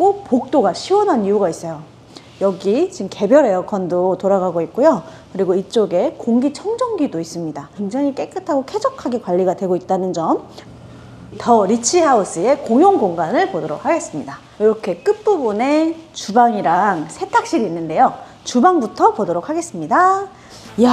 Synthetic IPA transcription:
kopok̚t͈oɡaɕʰiwʌnɦanijuɡais͈ʌjo | jʌɡit͡ɕimke̞bjʌɾe̞jʌkʰʌndotoɾaɡaɡoit̚k͈ujo | kɯɾiɡoit͡ɕ͈oɡe̞koŋɡit͡ɕʰʌŋd͡ʑʌŋɡidois͈ɯmɲidakwe̞ŋd͡ʑaŋik͈e̞k͈ɯtʰaɡokʰe̞d͡ʑʌkʰaɡekwaʎːiɡadwe̞ɡoit̚t͈anɯnd͡ʑʌm | tʌɾit͡ɕʰihaus͈ɯe̞koŋjoŋɡoŋɡanɯɭpodoɾo̰k̚ʰhaɡe̞s͈ɯmɲida | jiɾʌkʰe̞k͈ɯp͈ubune̞t͡ɕubaŋiɾaŋsʰe̞tʰak̚ɕ͈iɾinːɯnde̞jo | t͡ɕubaŋbutʰʌpodoɾokʰaɡe̞s͈ɯmɲida | ja

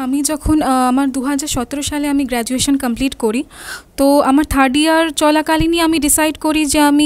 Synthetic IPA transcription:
amid͡ʒɔkʰunamaɾd̪uɦad͡ʒaɾsɔt̪ːɾoʃaleamĩɡɾɛd͡ʒueʃənkəmpliʈkɔɾit̪oamaɾt̪ʰəɾɖiaɾt͡ʃɔlakaliniamĩɖisajɖkɔɾid͡ʒeamĩ

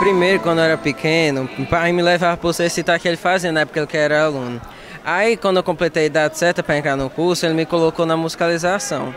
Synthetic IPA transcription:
pɾimejɾʊkwɐ̃nd̪ʊoɛɾɐpikʰẽnʊpamɪlevavɐposesit̪akɪelɪfaziɐnɐɛpʊ̥kɐelɪkɐɛɾɐalũnʊ | aikwɐ̃d̪ʊewkõplet̪ejid̪ad͡ʒɪ̥sɛɾt̪ɐpɾɐẽnt̪ɾanʊkuɾsʊelɪmɪkolokonɐmuzikalizasɐ̰̃w̃

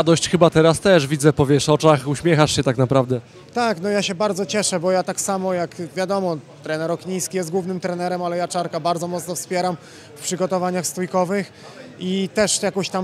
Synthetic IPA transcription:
d̪ɔɕt͡ɕxɘbat̪ɛɾast̪ɛʂvʲid̪zɛpɔvʲjɛʂɔt͡ʂaxuɕmʲɛxaʂɕɛt̪aknapɾavd̪ɛ | t̪aknɔjaɕɛbaɾd̪zɔt͡ɕɛʂɛbɔjat̪aksamɔjakvʲjad̪ɔmɔt̪ɾɛnɛɾɔkɲijskʲijɛst̪̚ɡwuvnɘmt̪ɾɛnɛɾɛmalɛjat͡ʂaɾkabaɾd̪zɔmɔt̪snɔfspʲjɛɾam | fpʂɘɡɔt̪ɔvaɲaxst̪ujkɔvɘx | it̪ɛʂjakɔ̃ɕt̪am

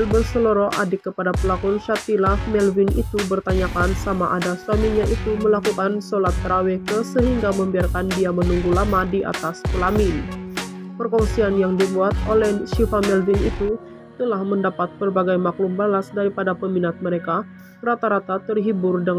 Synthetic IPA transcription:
lbərsəloɾoʔadɪkːəpadapəlakɔnʃat̪ilahmɛlvinʔḭt̪ubərt̪aɲakansamaʔadasuamiɲaʔit̪uməlakukansolat̪̚kəɾawɛkəsəɦiŋɡaməmbiarkandiamənuŋɡulamadiʔa̰t̪aspəlamɪn | pərkɔŋsianjaŋdibuat̪̚olɛhʃifamɛlvinḭt̪u | t̪əlahməndapat̪̚bərbaɡajmaklumbalasdaɾipadapəminat̪̚məɾeka | rat̪aɾat̪at̪ərɦibʊrdəŋ

